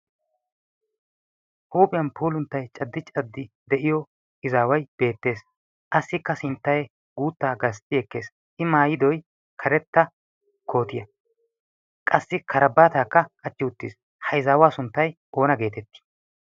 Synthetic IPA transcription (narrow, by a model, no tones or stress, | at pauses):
huːpʼɪjɐnpuːlʊnt̪ːɐjt͡ʃʼɐd̪ːɪt͡ʃʼɐd̪ːɪ | d̪ɛʔɪjɔ | ɪzaːwɐjb̥e̞ːt̪ːe̞ːs | ʔɐsːɪkːɐsɪnt̪ːɐjɛ | ɡuːt̪ːaːɡɐst̪ʼːɪɛkːe̞ːs | ʔɪmaːjɪd̪ɔj | kʰɐɾɛt̪ːɐ | kʰo̞ːt̪ɪjɐ | kʼɐsːɪkʰɐɾɐbːaːt̪aːkːɐkʼɐt͡ʃːɪʊt̪ːḭːs | hɐjzaːwaːsʊnt̪ːɐjʔo̞ːnɐɡe̞ːt̪ɛt̪ːi̥